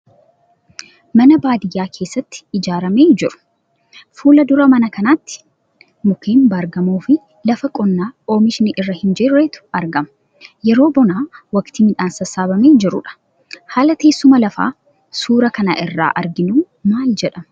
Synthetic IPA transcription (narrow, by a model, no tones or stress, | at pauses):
mɐnɐbaːd̪ɪjaːkʰe̞ːsːɐt̪ːɪ̥ɪd͡ʒaːɾɐme̞ːd͡ʒɪɾʊ̥ | fuːlɐd̪ʊɾɐmɐnɐkɐnaːt̪ːɪ̥ | mʊkeːmbaɾɡɐmoːfɪ | lɐfɐkʼɔnːaːo̞ːmɪʃɪnɪʔɪrːɐhɪnd͡ʒɛɾɾeːt̪ʊ̥ɐɾɡɐmɐ | jɛɾo̞ːbɔnaːwɐkt̪ɪmɪᶑaːnsɐsːaːbɐmeːd͡ʒɪɾʊ̰ᶑɐ̥ | haːlɐt̪e̞ːsːʊmɐlɐfa̰ː | suːɾɐkɐna̰ʔɪrːa̰ːʔɐɾɡɪnuː | maːld͡ʒɛᶑɐmɐ